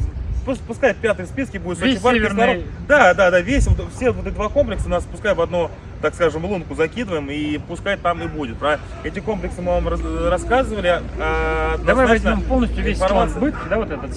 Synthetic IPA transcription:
puspʊskajɪt̪̚pʲat̪ɨjspʲiskʲɪbudʲɪt̪soɪvaɪnɐɾod̪ad̪ad̪avʲesʲvot̪fsʲevot̪ɛtʲd̪vako̞mplʲɪksənaspʊskajʊtvɐd̪nu | t̪akskaʐɨmlˠunkʊzɐkʲid̪əvəjɪmipʊskajɪt̪ːamibudʲɪt̪̚pɐ | ɛtʲɪko̞mplʲɪksɨmɨvamɾrɐskazɨvəlʲɪaɐd̪nɐvaj̪vɐzʲmʲompo̞lˠnəsʲt̪ʲjʊvʲɪesʲfɐrmat̪zsbɨt̪kʲɪd̪avot̪ɛt̪ət̪

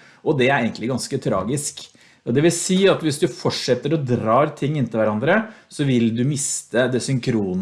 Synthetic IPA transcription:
ɔd̪ɛæɾeɪənt̪lɪɡɑnskət̪ʰɾɑ̰ːɡɪsk | ɔd̪ɛʋɪlsiːɑt̪ʋɪsd̪ʉfɔʂɛt̪ːəɾɔd̪ɾɑːɾt̪ʰɪŋːɪnt̪ɪlʋæɾɑnd̪ɾəsɔʋɪld̪ʉmɪst̪əd̪ɛsʏŋkʰɾuːn

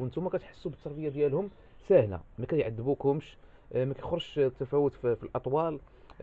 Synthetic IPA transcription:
ʔənt̪umækæt̪ħə̥sːubət̪ʰːɑɾˤbəjad̪jælhʊm | sæhlæ̰mækæjʕad̪ːəbukhʊmʃ | mækæjxɾˤʃt̪ːæfæwət̪ffilʔɑt̪ˤwɑl

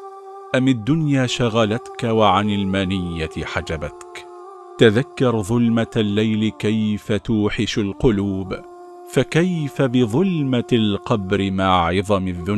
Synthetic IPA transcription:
ʔamːad̪ːʊnjaːʃaɣalat̪kawaʕanɪlmanɪjːaħad͡ʒabat̪k | t̪aðakːɑɾˤðˤʊlmalːajlɪkajfat̪uːħɪʃalqʊluːb | fakajfabɪðˤʊlmalqɑbɾɪmaːʕɨðˤɑmaðːʊn

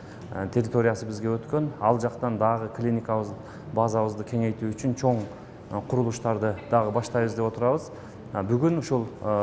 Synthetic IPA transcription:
t̪ʰe̞ɾʲit̪o̞ɾʲijɑsəbɪzɡʲe̞wɵt̪kʲe̞nɑlˠʒɑqt̪ɑnd̪ɑʁəkʰlʲinikɑβəz | bɑzɑβəzd̪əkʲʰe̞ŋe̞jt̪uʏʃɪnʃʰo̞ɴ | qʰʊɾəlˠuʃt̪ɑɾd̪əd̪̥ɑʁəbɑʃt̪ɑjbəzd̪e̞pwo̞t̪əɾɑβəz | bʏɡʲɪnʊʃolˠə

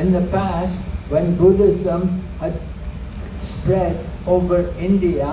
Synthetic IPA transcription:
ɪ̃nd̪əpæsʈʋɛ̃nbʊɖɪzə̃mhæɖ | spɾɛɖoːʋəɾɪ̃ɳɖia

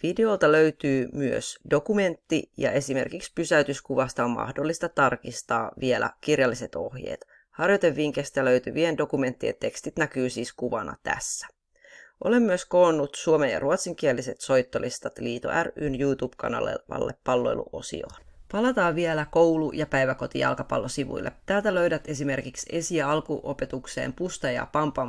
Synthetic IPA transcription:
ʋideo̞lt̪ɑløyt̪yːmyø̰sdo̞kume̞nt̪ːijɑ̰ʔe̞sime̞̰rkikspysæyt̪yskuʋɑst̪ɑommʔɑ̰hdolːist̪ɑt̪ɑrkist̪ɑ̰ːʋielæ̰kirjɑlːise̞t̪o̞hjḛːt̪ | hɑrjot̪e̞ʋːiŋk̟est̪æløyt̪yʋiendo̞kume̞nt̪ːiḛnt̪e̞kst̪it̪nækyːsiːskuʋɑnɑ̰t̪æ̰sːæ̥ | ʔole̞mːyøsko̞ːnːut̪suomenjɑ̰ruot̪siŋk̟iælːise̞t̪so̞jt̪ːo̞list̪ɑt̪liːt̪o̰ʔærynjuːt̪uːb̥kɑ̰nɑ̰lḛʋɑ̰lːʔḛpːɑlːo̞ḛlṵʔo̞̰sḭo̰ːnpɑlɑt̪ɑːʋielækowlujɑpæjʋæko̞t̪ḭjɑ̰lkɑpɑ̰lːosiʋṵilːʔet̪æːlt̪æløɥdæt̪e̞sime̞rkikse̞siæɑlkuʔope̞t̪ukse̞̰ːmpust̪ɑjɑ̰pɑmpɑ

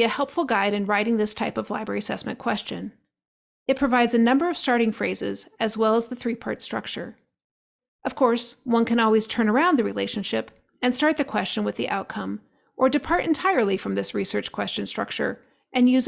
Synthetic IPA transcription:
ɨhɛlˠpfl̩ˠɡaɪɾɨ̃nɹaɪɾɪ̃ŋðɪstʰaɪpʌvla̰ɪbɹɛ̰ɹiɨsɛ̰smɨ̃nkʰw̥ɛst͡ʃɨ̰̃n | ɨt̚pʰɹ̥ɨvaɪdzɨnʌ̃mbə˞ʌv̥stɑɹɾɪ̃ŋfɹeɪzɪ̰zɨzwɛlˠəzðɨθɹipʰɑɹtstɹ̥ʌ̰k̚t͡ʃə̰˞ | ʔʌv̥kʰɔɹswʌ̃nkʰɨ̃ñɔlˠwiz̥tʰɜ̃˞nə˞ãʊ̃nðɨɹileɪʃɨ̃n̩ʃɪp | ɨ̃nstɑɹt̪̚ðɨkʰw̥ɛst͡ʃɨ̃nwɨðḭʔa̰ʊt̚kʰʌ̃m | ʔə˞dɨpʰɑɹɾɨ̰̃ntʰaɪə˞lˠifɹʌ̃mðɪsɹisɜ˞t͡ʃkʰw̥ɛst͡ʃɨ̃nstɹ̥ʌ̰k̚t͡ʃə̰˞ | ʔɨ̃njʉz

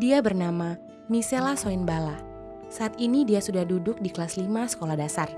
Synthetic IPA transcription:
diabərnama | miselasoɪnbala | saʔːt̪inidiasudahdudʊk̚diklaslimasə̥kolahdasar

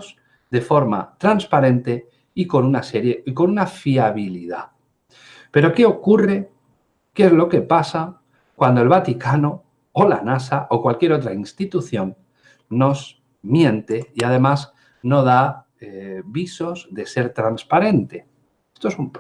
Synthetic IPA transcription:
s | ðe̞fo̞ɾma̰t̪ɾanspaɾẽ̞nt̪e̞ | iko̞nunase̞ɾjeiko̞nunafiaβ̞iliða | pe̞ɾo̞ke̞o̞kure̞ | ke̞zlo̞ke̞pasa | kwand̪oe̞lβat̪ikano̞ | ola̰nasaʔokwalkje̞ɾot̪̬ɾainst̪it̪uθjo̞nː | o̞z | mjẽ̞nt̪e̞iað̞e̞maz | no̞ð̞a | eβiso̞zðe̞se̞ɾt̪ɾanspaɾe̞nt̪e̞ | est̪oesump

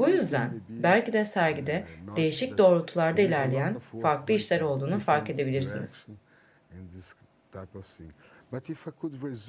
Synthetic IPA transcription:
bujyzd̪ænbælʲcid̪ɛsæɾɟid̪ɛd̪̥e̞jiʃic̚d̪o̞ːɾut̪ʰulˠaɾd̪ailʲæɾlʲejænfaɾklˠɯiʃlʲæɾo̞lˠd̪uːnufaɾke̞d̪e̞bilʲiɾsiniz̥̃ | s | batifakʰudi

